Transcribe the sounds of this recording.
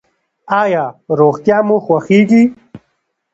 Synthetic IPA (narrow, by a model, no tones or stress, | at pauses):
aːjaːɾoːɣt̪jaːmuxwɐxiːɡi